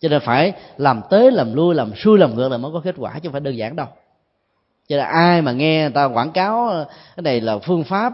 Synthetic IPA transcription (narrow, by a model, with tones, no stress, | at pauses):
t͡ɕɔ˧ne˧nfaː˧˩jlaː˨˩mt̪e˨˦laː˨˩mlu˧əjlaː˨˩msu˧jlaː˨˩mŋɨ̰˨˦ək̚laː˨˩mə˨˦jkɔ˨˦ke˦˥t̚kwaː˧˩t͡ɕʊ˧˦faː˧˩jɗəː˨˩nzaː˧˩˨ŋɗə˧w | t͡ɕɔ˧ne˧nʔaː˧jmaː˨˩ŋɛ˧˨˩t̪aː˧kwaː˧˩nkaː˨˦wkaː˨˦jna˨˩jlaː˨˩fɨ˧əŋfaː˦˥p̚